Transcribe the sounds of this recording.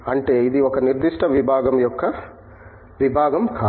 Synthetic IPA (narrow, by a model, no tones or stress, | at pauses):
ɐɳʈeid̪iɔkːɐniɾd̪iʂʈɐʋibʱaːɡɐmjɔkːɐ | ʋibʱaːɡɐm